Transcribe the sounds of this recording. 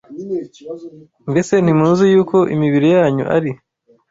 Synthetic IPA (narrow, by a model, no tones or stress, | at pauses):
mbe̞se̞n̥imuːzijuːko̞ʔḭmiβiɾejaːɲṵʔa̰ɾi